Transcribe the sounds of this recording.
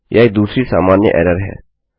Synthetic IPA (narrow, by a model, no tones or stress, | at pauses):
jʔaːid̪uːsɾisaːmaːnjə̰ʔɛːɾəɾɦɛ̰ː